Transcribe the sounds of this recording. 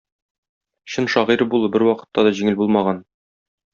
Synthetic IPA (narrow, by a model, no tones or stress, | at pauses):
ɕɤnʃɒʁiɾɤbulˠɤbɘɾwɒqɤ̥̆t̪ːɑd̪ɒʑiŋɘlbulˠmɑʁɑn